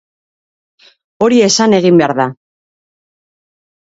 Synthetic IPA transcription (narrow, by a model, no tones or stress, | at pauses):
o̞ɾie̞sane̞ɣimbe̞aɾða